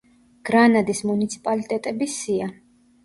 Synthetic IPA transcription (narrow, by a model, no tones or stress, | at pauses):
ɡ̥ɾanad̪ismunit̪sʰi̥pʼalit̪ʼɛt̪ʼɛbisia